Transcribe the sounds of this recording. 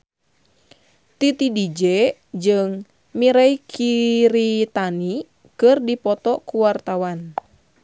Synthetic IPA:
t̪it̪idid͡ʒɛd͡ʒɨŋ | miɾaikʰiɾit̪ani | kɨrdipɔt̪ɔkuwart̪awan

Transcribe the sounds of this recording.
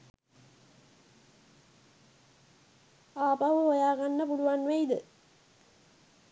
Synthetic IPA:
aːpaʋəɦojaːɡanːəpuluʋanʋeid̪ə

